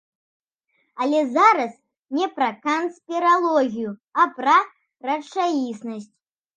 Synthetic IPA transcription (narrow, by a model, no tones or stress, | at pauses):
ɐlʲɛzaɾɐs | nʲɛpɾɐkɐnspʲiɾalˠɔɣʲijuɐpɾɐ | rɐt͡ʂajisnɐsʲt͡sʲ